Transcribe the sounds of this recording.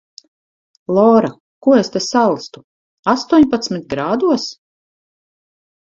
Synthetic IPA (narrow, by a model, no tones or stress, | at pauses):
lˠɔːɾa | kuɔest̪asalˠst̪u | ast̪uɔɲpat̪smit̪̚ɡɾaːd̪uɔs